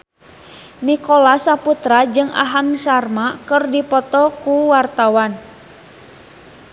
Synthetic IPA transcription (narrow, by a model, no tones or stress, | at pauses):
nikɔlasaput̪ɾad͡ʒɨŋa̰ɦamsarmakərdipɔt̪ɔkuwart̪awan